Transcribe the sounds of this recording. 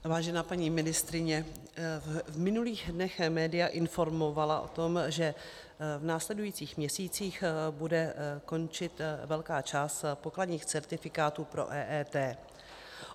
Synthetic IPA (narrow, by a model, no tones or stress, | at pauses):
vaːʒɛnaːpaɲiːmɪnɪst̪ɾɪɲɛ | vmɪnuliːxdnɛxmɛːdɪjaʔɪnfo̞ɾmo̞valaʔo̞̰t̪o̞mʒɛ | vnaːslɛdujiːt͡siːxmɲɛsiːt͡siːxbudɛko̞nt͡ʃɪt̪vɛlkaːt͡ʃaːst̪po̞kladɲiːxt͡sɛɾt̪ɪfɪkaːt̪uːpɾo̞̰ʔɛːʔɛːt̪ɛː